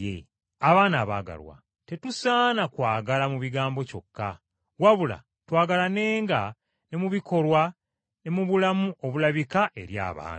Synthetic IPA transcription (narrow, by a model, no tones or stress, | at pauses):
ḛ | aβaːnaːβa̰ːɡa̰lwa̰ | te̞tusaːnakwaːɡalamuβiɡaːmbo̞co̞kʰːa | waβula̰ | twaːɡalane̞ːŋɡa | ne̞muβiko̞lwa | ne̞muβulamuʔo̞βulaβikaʔe̞ɾja̰ːβa̰ːn